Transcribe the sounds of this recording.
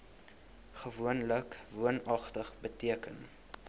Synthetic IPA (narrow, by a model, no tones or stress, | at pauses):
χəvuənləkvuənɐχtəχbətiəkən